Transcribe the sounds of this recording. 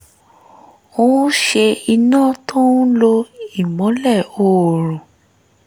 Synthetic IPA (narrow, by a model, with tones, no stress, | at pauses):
õ˦ʃe˧i˧nãː˦˨tʰo˦nũ˦lo˧i˦˨mɔ̃˨˦lɛ˦˨o˦˨ɾõ˨